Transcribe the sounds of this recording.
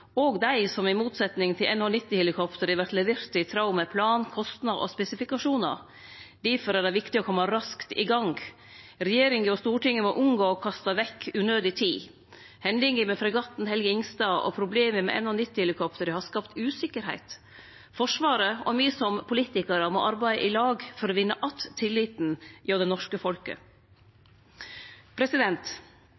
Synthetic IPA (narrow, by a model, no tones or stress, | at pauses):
ɔːɡd̪æɪsɔmɪmuːt̪sɛt̪nɪŋt̪ʰɪlɛnhɔnɪt̪ːɪhɪlɪkʰɔpt̪əɾəʋæɾʈ̪lɛʋeːɾt̪ɪt̪ʰɾɑʊmɛpʰlɑːnkʰɔst̪nɑɔ̰spɛsɪfɪkɑʂuːnɑ̰ | d̪æfɔɾæɖæɪʋɪkt̪ɪɔkʰɔmːɑɾɑskt̪ɪɡɑŋ | ɾɛjeːɾɪŋɡəɔst̪uːʈɪŋːəmɔʔʊŋɡoːɔkʰɑst̪ɑʋɛkːʉːnøːd̪ɪt̪ʰiː | hɛnd̪ɪŋəmɛfɾɛɡɑt̪n̩hɛlɡəɪŋst̪ɑːʔɔ̰pʰɾʊbleːməmɛ̰ʔɛ̰nɔnʏt̪ːɪhɪlɪkʰɔpt̪əɾəhɑɾskɑpt̪ʉːsɪkːəɾhæ̰ɪt̪ | fɔʂʋɑːɾəɔ̰myːəsɔmpʰʊliːt̪ɪkəɾəmɔ̰ʔɑɾbæɪə̰ʔɪlɑːɡfɔɾɔʋɪnːəʔɑt̪ʰːɪlːɪt̪njoːd̪ɛnɔʂkəfɔlkə̰ | pʰɾɛsɪd̪ɛnt̪